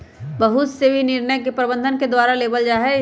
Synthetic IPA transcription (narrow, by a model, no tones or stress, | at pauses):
bəɦʊt̪sebʱinɪɾnəjkepɾəbə̃nd̪ʱənked̪waːɾaleːbəld͡ʒaːɦɛ